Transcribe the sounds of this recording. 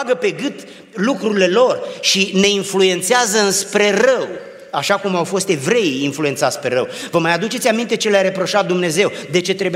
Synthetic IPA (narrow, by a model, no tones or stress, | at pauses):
ɡəpe̞ɡɨt̪ | lukɾuɾile̞lo̞rʃine̞influe̞nt̪seazəɨnspɾe̞rəw | aʃakumawfo̞st̪e̞vɾe̞iinfluet̪sat̪spe̞̰ɾəw | vəmajad̪ut͡ʃe̞t̪ʲamint̪e̞t͡ʃe̞leaɾe̞pɾo̞ʃat̪̚d̪umne̞ze̞wd̪e̞t͡ʃe̞t̪ɾe̞bu